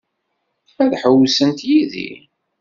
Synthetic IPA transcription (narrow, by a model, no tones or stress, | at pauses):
æðħəwsənt̪jiðḭ